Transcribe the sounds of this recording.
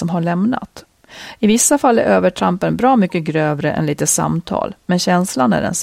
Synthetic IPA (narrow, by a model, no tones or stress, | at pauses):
ɔmɦaɭɛmna̰t̪ | ɪvɪsːafalːæ̰ɾʔøːvəʈʰɾampənbɾɑːmʏkːəɡɾøːvɾəʔɛ̰nliːt̪əsa̰mt̪ʰɑ̰ːlmɛnɕɛnslanæ̰ɖɛ̰ns